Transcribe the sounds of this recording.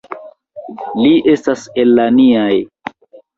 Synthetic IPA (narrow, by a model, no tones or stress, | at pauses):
liʔe̞staselːaniaj